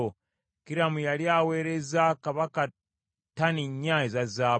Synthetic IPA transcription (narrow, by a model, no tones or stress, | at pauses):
o | kiɾamujaljaweːɾezakaβaka | taniɲːaːezazaː